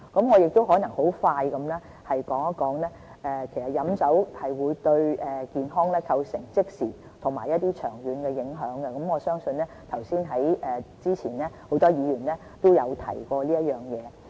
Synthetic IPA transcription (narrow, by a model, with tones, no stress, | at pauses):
kɐ˨˥mŋɔː˨˧jɪ˨k̚t̪o˥wɦɔː˨˥nɐ˨˩ŋho˨˥wfaː˧jkɐ˨˥mlɛː˥ | hɐ˨jkɔː˨˥ŋɐ˥kɔː˨˧˥ŋlɛː˥ | ʔɛː˨kʰe˨˩jsɐ˨t̚jɐ˨˥msɐ˨˥whɐ˨jwuː˨˧jt̪ɵ˧ɥʔɛː˨kiː˨nɦɔː˥ŋlɛː˥kʰɐ˧wsɪ˨˩ŋt͡sɪ˥k̚siː˨˩ | t̪ʰʊ˨˩ŋmaː˨˩jɐ˥t̚t̪iː˥t͡ʃʰœː˨˩ŋjyː˨˧nkɛː˧jɪ˨˥ŋɦœː˨˥ŋɡɛ˧kɐ˨˥mɔː˨˧sœː˥ŋsɵ˧nlɛː˥t̪ʰɐ˨˩wsiː˥nɦɐ˨˥jʔɛː˨t͡siː˥t͡sʰiː˨˩nlɛ˥ho˨˥wt̪ɔː˥jiː˨˧jyː˨˩nlɛː˥ | t̪o˥wjɐ˨˧wt̪ʰɐ̰˨˩jkɔː˧liː˥jɐ˥t̚jœː˨˩ŋjɛː˨˧